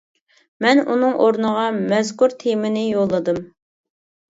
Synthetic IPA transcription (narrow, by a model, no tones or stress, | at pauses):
mɛnunɨŋʔoɾnəʁɑmɛzkuɾt̪ʰemɪnɪjolˠːɨd̪ɨm